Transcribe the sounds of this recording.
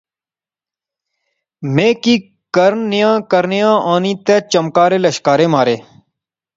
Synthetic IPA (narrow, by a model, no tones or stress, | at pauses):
mẽːkiː | kəɾnnɪjãːkəɾnɪjãːʔãːnĩːt̪eːt͡ʃəmkaːɾeːləʃkaːɾeːmaːɾeː